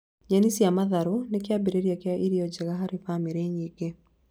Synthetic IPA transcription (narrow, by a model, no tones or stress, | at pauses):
ɲanisjamaðaɾonekjabeɾeɾjakjaʔiɾiɔd͡ʒɛɣaɦaɾefamiɾeɲiɡ̥e